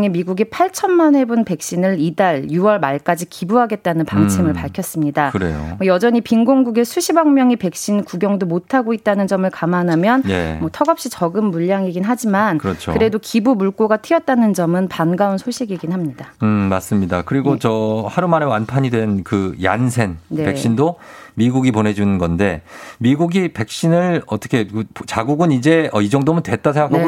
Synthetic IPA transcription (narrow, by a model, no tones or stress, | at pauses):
ŋemiɡuɡepʰaɭt͡ɕʰʌnmanɦe̞bunpe̞k̚ɕ͈inɯɭidaɭjuwʌɭmaɭk͈ad͡ʑikibuɦaɡe̞t̚t͈anɯnpaŋt͡ɕʰimɯɭpaɭkʰjʌs͈ɯmɲidakɯɾḛjo̰mʌjʌd͡ʑʌɲipinɡoŋɡuɡesʰuɕʰibaŋmjʌŋipe̞k̚ɕ͈inkuɡjʌŋdomotʰaɡoit̚t͈anɯnd͡ʑʌmɯɭkamanɦamjʌnjḛmwʌtʰʌɡʌp̚ɕ͈it͡ɕʌɡɯmːuʎjaŋeɡinɦad͡ʑimankɯɾʌt͡ɕʰokɯɾe̞dokibumuɭk͈oɡatʰiʌt̚t͈anɯnd͡ʑʌmɯnpanɡaunsʰoɭɕ͈iɡeɡinɦamɲidaɯmas͈ɯmɲida̰kɯɾiɡot͡ɕʌhaɾumaɾeanpʰaɲidwe̞nkɯja̰nsʰe̞nnpe̞kɕ͈indomiɡuɡipone̞d͡ʑunɯnɡʌnde̞miɡuɡipe̞k̚ɕ͈inɯɭʌt͈ʌ̥kʰe̞kpt͡ɕaɡuɡɯnid͡ʑe̞ʌid͡ʑʌŋdomɯntwe̞t̚t͈asʰeŋɡakʰa